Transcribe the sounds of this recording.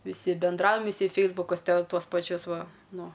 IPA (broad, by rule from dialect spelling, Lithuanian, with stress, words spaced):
ʋʲɪˈsʲɪ bʲɛnˈdrɐʊjɛm ʋʲɪˈsʲɪ ˈfʲɛɪzbʊkʊs ˈtʲɛ ˈtuɔs pɐˈt͡ʃʲʊs ˈʋɐ ˈnʊ